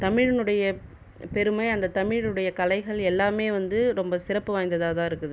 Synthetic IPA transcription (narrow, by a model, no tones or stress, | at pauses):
t̪ɐmɪɻɐnɯɽɐjɐ | pɛɾɯmɐɪɐnd̪ɐt̪ɐmɪɻɯɽɐjɐkɐlɐɪɣɐɭɛlːaːmeːʋɐnd̪ɯɾɔmbɐsɪɾɐpːɯʋaːjnd̪ɐðaːðãːɪɾɯkːɯðɯ